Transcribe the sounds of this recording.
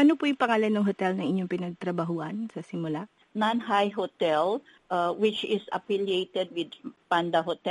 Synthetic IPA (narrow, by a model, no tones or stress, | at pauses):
ʔɐnopujʊŋpɐŋaːlɐnːɐŋɦot̪ɛlnɐŋʔɪɲːoŋpɪnɐɡ̚t̪ɾɐbaɦʊʔɐnsɐsɪmʊla | nanɦajɦot̪ɛl | ʔawɪt͡ʃɪsɐ̰filiejt̪ɛd̪̚wɪd̪̚pand̪ɐɦot̪ɛ